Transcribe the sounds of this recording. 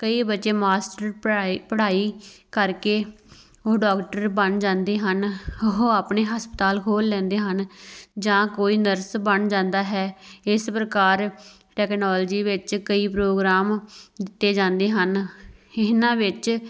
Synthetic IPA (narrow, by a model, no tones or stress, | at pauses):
kəiːbəːʃeːmaːsʈəɾpəɽaːiːkəɾkeː | oɖaːkʈəɾbənd͡ʒãːnd̪eːɦənoɦoaːpɳeːɦəspət̪aːlkʰoːlːɛ̃ːnd̪eːɦənd͡ʒãːkoːiːnəɾsbənd͡ʒãːnd̪aːɦɛːɪspɾəkaːɾ | ʈɛːknɔːld͡ʒiːʋɪt͡ʃkəiːpɾoːɡɾaːmd̪ɪt̪ːeːd͡ʒãːnd̪eːɦənɪnãːʋɪt͡ʃ